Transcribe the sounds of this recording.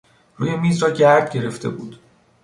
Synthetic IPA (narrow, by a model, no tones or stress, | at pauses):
ruːje̞miːzɾɒːɟæɾd̪ɟe̞ɾe̞ft̪ʰe̞̰buːd̪̥